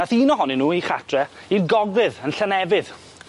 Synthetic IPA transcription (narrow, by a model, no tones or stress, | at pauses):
aθiːnɔɦɔnɪnuːiχatʰrɛinɡɔɡwɪðənɬanɛvɪð̥